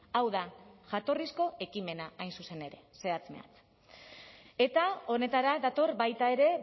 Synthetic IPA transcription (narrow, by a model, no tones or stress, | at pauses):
awðaʝat̪o̞risko̞e̞kime̞naajnsuse̞ne̞ɾe̞se̞at͡sme̞̰a̰t͡s | e̞t̪ao̞ne̞t̪aɾaðat̪o̞rbajt̪ae̞ɾe̞